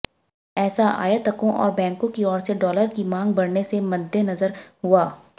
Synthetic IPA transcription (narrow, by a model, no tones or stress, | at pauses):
ɛːsaʔa̰ːjat̪ɐkõʔɔ̰ːɾbɛ̃ːŋkõkiɔːɾseɖɔːləɾkimãːŋɡbɐɽnesemɐd̪ʱjenɐzəɾɦʊaː